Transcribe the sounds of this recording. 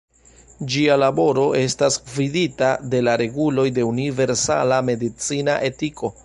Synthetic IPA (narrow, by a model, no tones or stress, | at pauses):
d͡ʒialabo̞ɾo̞ʔe̞stasviditade̞laɾe̞ɡulo̞jde̞unive̞ɾsa̰lame̞dit͡sinaʔe̞tiko̞